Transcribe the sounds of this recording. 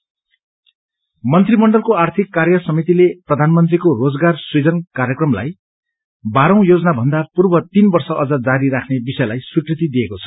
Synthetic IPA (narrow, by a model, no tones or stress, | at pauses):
mʌnt̪rimʌɳɖʌlkoart̪ʰikːarjʌsʌmit̪ileprʌd̪ʱanmʌnt̪rikorod͡zɡarsid͡zʌnkaɾjʌkrʌmla̰j | baɾʌ̃w̃jod͡zʌnabʱʌnd̪apurbʌt̪inbʌrsʌʔʌd͡zʌd͡zaɾiɾakʰnebisʌjlajswikrit̪id̪ijekot͡sʰʌ̥